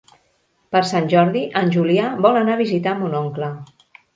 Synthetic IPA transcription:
pəɾsanʲʒɔɾðiʔənʲʒuliaβɔlənaβizit̪amunɔŋklə

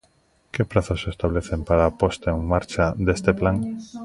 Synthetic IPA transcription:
kepɾaθasest̪aβleθempaɾaːpost̪aeŋmaɾt͡ʃad̪est̪eplaŋ

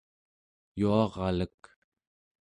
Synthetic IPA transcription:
juɑʁɑlək

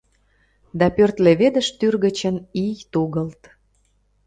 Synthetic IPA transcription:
d̪ɑpørt̪leβed̪əʃt̪yrɣə̆t͡ɕənijt̪uɣəlt̪

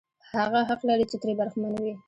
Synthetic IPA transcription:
haɣaɦaqlaɾit͡ʃet̪ɾebaɾxmanwi

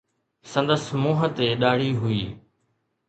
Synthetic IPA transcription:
sə̃nd̪əsmoːɦət̪eːɗaːɽiːɦʊḭː

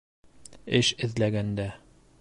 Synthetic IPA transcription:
ɘʃɘ̆ðlæɡænd̪æ

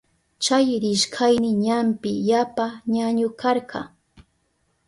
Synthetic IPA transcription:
t͡ʃajɾɪʃkʰajnɪɲampɪjapaɲaɲʊkɑɾɢɑ̰

